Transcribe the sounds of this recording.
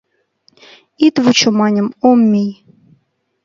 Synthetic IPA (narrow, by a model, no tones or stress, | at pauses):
it̪vut͡ɕomɑnʲɤ̆momːʲijʲ